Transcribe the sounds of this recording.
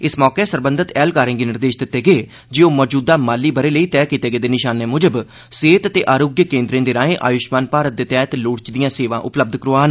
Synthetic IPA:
ɪsmɔːkeːsəɾbə̃nd̪ət̪ɛːlkaːɾẽːɡeːnɪɾd̪eːʃd̪ɪt̪ːeːɡeː | d͡ʒeːoːmɔːd͡ʒuːd̪aːmaːlːiːbəɾeːləiːt̪ɛːkiːt̪eːɡeːd̪eːnɪʃaːneːmʊd͡ʒəb | seːt̪ət̪eːʔaːɾoːɡjəkẽːnd̪ɾẽːd̪eːɾaːẽːʔa̰ːjʊʃmaːnpaːɾət̪̚d̪eːt̪ɛːt̪loːɽt͡ʃd̪ijãːseːʋãːʔʊpləb̚d̪kəɾoaːn

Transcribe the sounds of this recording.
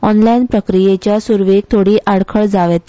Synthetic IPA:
ɔnlajnpɾəkɾijet͡ɕjasuɾʋeɡ̚t̪ʰoɽiːʔaɽkʰəɭd͡zaʋet̪

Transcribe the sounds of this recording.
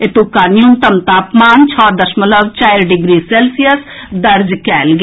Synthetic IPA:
et̪uːkaːnjuːnt̪əmt̪aːpmaːnt͡ʃʰɔːd̪əʃmələʋt͡ʃaːɪɾɖɪɡɾiːseːlsijəs | d̪ɐɾd͡ʒkɛːlɡ

